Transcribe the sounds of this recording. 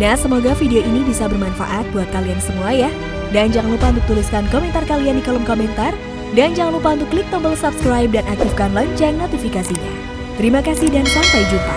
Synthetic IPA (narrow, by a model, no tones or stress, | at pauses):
nahsəmoɡafideoinibisabərmanfa̰ʔat̪̚buat̪̚kaliansəmuajah | dand͡ʒaŋanlupaunt̪ʊk̚t̪uliskankomɛnt̪arkaliandikɔlɔmkomɛnt̪ar | dand͡ʒaŋanlupaunt̪ʊkːlik̚t̪ɔmbəlsapskɾajp̚danʔak̚t̪ifkanlaɲt͡ʃannːot̪ifikasiɲa̰ | t̪əɾimakasihdansaŋpaid͡ʒumpa̰